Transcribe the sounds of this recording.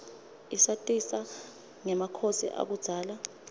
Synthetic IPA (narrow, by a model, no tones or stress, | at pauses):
isatʼisa | ŋɛmakʰosḭʔa̰k̬ud̥z̥ʱaːla